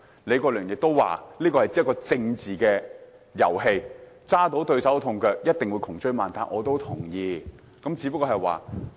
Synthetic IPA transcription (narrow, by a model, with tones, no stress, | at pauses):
le˨˧kɔː˧lœː˨˩ŋjɪ˨k̚t̪o˥wwa̰ː˨liː˥kɔː˧hɐ˨jt͡sːkɔː˧t͡sɪ˧ŋt͡siː˨kɛː˧ | jɐ̰˨˩whe˧j | t͡saː˥t̪o˨˥wt̪ɵ˧ɥsɐ˨˥wt̪ʰʊ˨ŋkœː˧k̚jɐ˥t̚t̪ɪ˨ŋwuː˨˧jkʰʊ˨˩ŋt͡ʃɵ˧ɥmaː˨nt̪aː˨nʔɔ̰ː˨˧t̪o˥wt̪ʰʊ˨˩ŋjiː˨˧ | kɐ˨˥mt͡siː˨˧pɐ˥kɔː˧ɦɐ˨˩jwa̰ː˨˩